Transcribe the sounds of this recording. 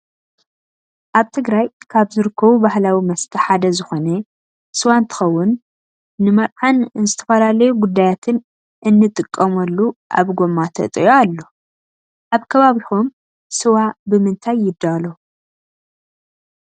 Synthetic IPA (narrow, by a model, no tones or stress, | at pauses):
ʔaβt̪ʰɨɡɾajkʰaβzɨɾɨkːɐβubahlawimɐst̪ʰɐħad̪ɐzɨxo̞nɐ | sɨwant̪ʰɨ̥xɐwːʊnː | ɨmɐɾʼʕanɨnzɨt̪ʰɐ̥fɐlalɐjuɡud̪ːajat̪ʰɨn | ʔɨnːɨt̪ʼɨkʼːɐmɐlːuʔa̰βɡo̞mat̪ʰɐ̰t̪ʼɨjoalːo̞ | ʔaβkʰɐβaβixom | sɨwabɨmɨnt̪ʰajːɪd̪ːalo